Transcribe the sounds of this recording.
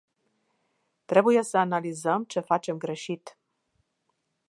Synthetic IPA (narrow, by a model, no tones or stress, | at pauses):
t̪ɾe̞buje̞səanalizəmt͡ʃe̞fat͡ʃe̞mɡɾe̞ʃit̪